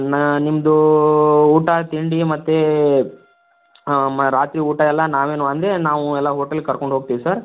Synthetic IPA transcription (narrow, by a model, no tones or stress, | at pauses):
nnimːɐd̪u | uːʈat̪iɳɖimɐt̪ːe | ɾaːt̪ɾiːuːʈɐɛlːɐnaːʋeːnuɐnd̪ɾenaːʋuɛlːaɦoːʈɐlkɐɾkoɳɖɦoːɡ̚t̪iːʋisɐɾ